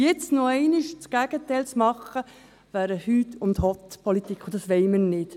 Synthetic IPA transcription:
jɛt͡snoɛɪnɪʃt͡sɡæɡ̥ət̪ɛɪlt͡smɑχə | væːɾəhyːtʊnthɔt̪pʰɔlit̪ikʰχʊd̥̪ɑsʋɛɪmənɪt

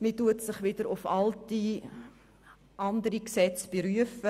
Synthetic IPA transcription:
mituətsɪχʋɪdəɾʊfɑlti | ʔɑndəɾiksɛt͡sb̥eɾyəfə

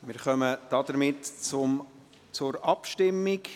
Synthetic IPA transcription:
mɪɾχœməd̥ɑdəɾmɪtt͡sʊm | t͡sʊɾɑpʃtɪmːɪk

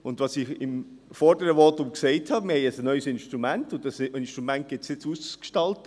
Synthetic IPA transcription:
ʊndʋɑsɪxɪm | fɔɾdəɾəʋɔtʊmksɛɪthɑːmɪɾhɛɪəsnœʏsɪnʃtɾumæntʊndɑsɪnʃtʁumænt̚ɡ̥ɪtsɪt͡suskʃtɑltə

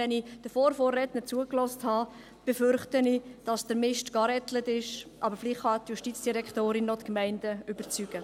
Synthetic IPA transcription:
ɛnid̥əfoːɾfoːrːɛtnət͡suəklɔsthɑː | b̥əfʏɾχtənid̥ɑsd̥əɾmɪʃtɡ̥ɑɾɛtlətɪʃʔɑbəɾfliχhɑtjuʃtiːt͡sd̥iɾɛktoːɾɪnɔtkmɛɪndəʏbəɾt͡syɡ̥ə

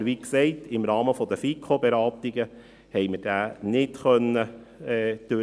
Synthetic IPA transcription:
ʋiksɛɪtɪmɾɑːməfɔd̪əfikʰobeɾɑːt̪iɡə | hɛɪməɾd̥æːnɪtχœnːə | ɛːd̪̥ø

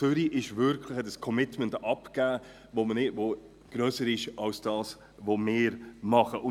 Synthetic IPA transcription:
ʏɾiʔɪʃvʏɾkʰlɪxɛtəskʰɔmɪtməntɑpɡ̥æː | voːmənɪdvo | ɡ̥ɾœːsəɾɪʃʔɑlsd̥ɑːs | vomɪːɾmɑχəʔʊn

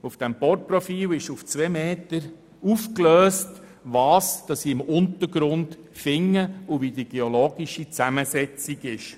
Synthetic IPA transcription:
ufd̥ɛmpɔrt̚profiːlɪʃuft͡sʋemeːtəɾ | ufkløːst | ʋɑːsd̥ɑsːiːɪmʊntəɾɡɾʊnd | fɪŋːəʊvidiɡ̥eoloːɡiʃit͡sæməsɛt͡siɡɪʃ

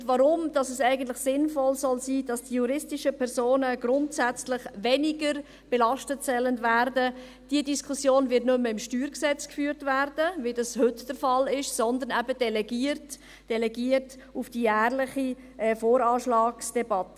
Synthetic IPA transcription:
ʋɑɾʊmd̥ɑsɛsæɪɡən̩tlɪχsɪnfɔlsɔlsiːd̥ɑsd̥ijuɾɪstɪʃəpʰɛɾzoːnəɡɾʊntsæt͡slɪχvɛniɡəɾ | b̥ɛlɑʃtətsɛləndvæːɾdə | d̥iədiskʰusjoːnvɪtnʏmːəɪmʃtyːɾksɛt͡skfyːɾtvæɾdəvidɑshʏtd̥əɾfɑlɪʃsɔndənɛbəd̥ɛlɛɡiːərt | d̥ɛlɛɡiːərt | ufd̥ijæːrlɪχi | ʔɛːfoːɾɑːʃlɑːksd̥ɛbɑtə

